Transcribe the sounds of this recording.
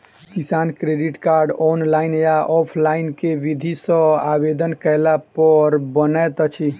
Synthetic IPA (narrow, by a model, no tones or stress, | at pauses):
kisankɾeɖiʈkaɾɖɔnlajnjaʔɔpʰlainkeʋid̪ʱisə̃abed̪ənkəɪlapəɾbənət̪t͡ʃʰi